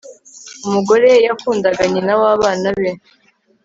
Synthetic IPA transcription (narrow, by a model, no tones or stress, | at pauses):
umuɡo̞ɾe̞jakuːndaɡaɲenawaːβaːnaβe